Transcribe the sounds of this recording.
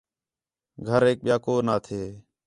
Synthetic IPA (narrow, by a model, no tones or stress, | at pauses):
ɡʱəɾeːk̚ɓɪjaːkoːnaːt̪ʰeː